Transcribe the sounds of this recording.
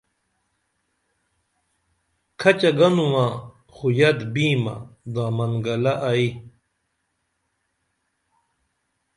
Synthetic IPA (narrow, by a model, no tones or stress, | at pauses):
kʰɐt͡ɕɐɡɐnuwã | xujɐd̪biːma̰d̪ãːmɐnɡɐlaʔɐi